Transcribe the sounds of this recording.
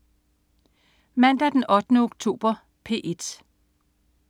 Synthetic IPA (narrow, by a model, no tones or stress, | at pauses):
mæn̰d̥æd̥enʔɒ̽d̥ənəoɡ̥t͡sʰo̝̰ːb̥ɐ | pʰe̝̰ːʔe̝d̥